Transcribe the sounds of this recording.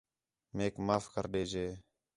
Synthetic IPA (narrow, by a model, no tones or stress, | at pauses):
meːkmaːfkəɾɗeːd͡ʒeː